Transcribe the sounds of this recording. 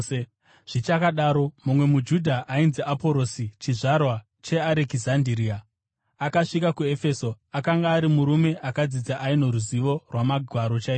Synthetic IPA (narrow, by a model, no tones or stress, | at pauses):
ʐ̥it͡ʃakaɗaːɾo̞mumwe̞mud͡ʒudʱaʔainziʔapo̞ɾosit͡ʃiʐarwa | t͡ʃe̞aɾekizandiɾia | akaʂikakue̞fe̞so̞ | akaŋɡaːɾimuɾume̞ʔakad͡zid͡zaʔaino̞ɾuziʋo̞rwamaɡʱwaɾo̞t͡ʃaiː